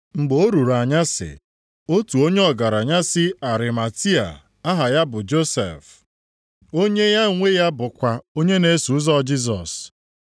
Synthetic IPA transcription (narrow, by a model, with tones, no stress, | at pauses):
ŋ͡m̩˨ɡ͡bo˨o˦ɾu˨ɾa˨ɲa˦sɪ̰˨ | o˦tu˨o˦ɲe˦ɔ˨ɡa˨ɾa˨ɲa˦sɪ˦a˨ɾɪ˨ma˨ti˦a̰˨ | a˦ɦa˨ja˦bʊ˨d͡ʒo˦sḛ˨f | o˦ɲe˦ja˦ŋʷe˦ja˦bʊ˨kʷa˨o˦ɲe˦ne˦su˨ʊ˦zɔ˦˨d͡ʒi˦zɔ̰˨s